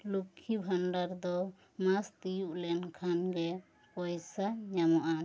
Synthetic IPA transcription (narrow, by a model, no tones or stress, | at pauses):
lukʰːibʱaɳɖaɾd̪ɔ | mast̪ijuʔlɛnkʰanɡɛ | pɔjsaɲamɔʔa